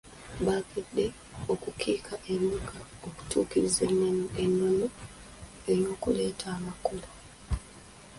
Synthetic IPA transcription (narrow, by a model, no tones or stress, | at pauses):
βaɡedːe̞ | okukʰiːkʰaʔeɲukaoku̥tʰuːkiɾizeneenːo̞no | eɾjo̞ːkule̞ːtʰaːmakolo